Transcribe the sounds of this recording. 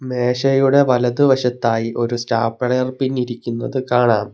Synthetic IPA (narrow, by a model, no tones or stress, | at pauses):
me̞ːɕɐjuɽe̞ʋɐlɐðɨʋɐɕɐt̪ːaːjiʔo̞ɾusʈaːpːɐɽɐjɐrpinːiɾikʲːunːɐðɨkaːɳaːm